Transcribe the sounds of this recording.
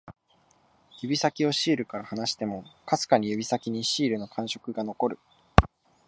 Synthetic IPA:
jɯ̟bʲisakʲio̞ɕiːɾɯ̟kaɾahanaɕi̥t̪e̞mo̞kasɨ̥kaɲ̟ijɯ̟bʲisakʲiɲ̟iɕiːɾɯ̟no̞kʰãɰ̃ɕo̞kɯ̟ɡano̞ko̞ɾɯ̟

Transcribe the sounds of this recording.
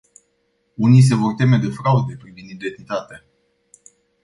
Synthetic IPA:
unis̬e̞vo̞rt̪e̞me̞d̪e̞fɾaud̪e̞pɾivinid̪ek̪nit̪at̪a

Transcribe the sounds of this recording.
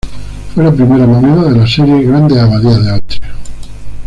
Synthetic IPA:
fwelapɾimeɾamomenaðelaseɾjeɣɾand̪eaβaðiaðealt͡ʃe̥

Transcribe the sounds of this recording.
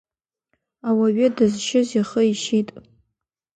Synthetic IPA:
awaɥɪdɨzʃɪziχəiʃitʼ

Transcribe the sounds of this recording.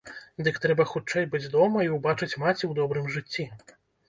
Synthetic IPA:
d̪ɨkt̪ɾɛbɐxut͡ʂɛjbɨd͡zʲd̪ɔmɐiwbat͡ʂɨt͡sʲmat͡sʲiwd̪ɔbɾɨmʐɨt͡sʲːi

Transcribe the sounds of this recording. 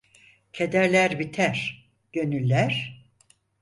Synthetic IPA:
cʰed̪æɾlʲæɾbit̪ʰæɾ̥ | ɟ̥ø̞nylʲːæɾ̥

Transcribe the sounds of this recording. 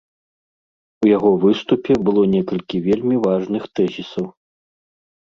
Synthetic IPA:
ujaɣɔvɨst̪upʲɛbɨlˠɔnʲɛkɐlʲkʲivʲelʲmʲivaʐnɨxt̪ɛzʲisɐw

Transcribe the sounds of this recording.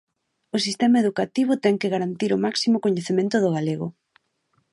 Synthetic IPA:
ʊsist̪ɛmaeðukat̪iβʊt̪ɛŋkeɣaɾant̪iɾʊmaksimokoɲeθemẽnt̪ʊðʊɣaleɣʊ̰

